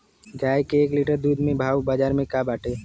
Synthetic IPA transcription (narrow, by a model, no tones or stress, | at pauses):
ɡaːjkeːkliːʈəɾd̪uːd̪mẽbʱaːwbaːd͡ʒaːɾmẽkabaːʈʰeː